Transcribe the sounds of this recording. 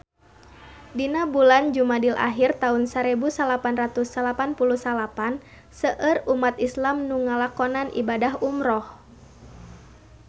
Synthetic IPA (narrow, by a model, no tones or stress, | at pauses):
dinabuland͡ʒumadilʔa̰ɦirt̪aunsəɾɛbusalapanrat̪usalapanpulusalapan | səʔərumat̪islamnuŋalakɔnanʔḭbadaɦumɾɔh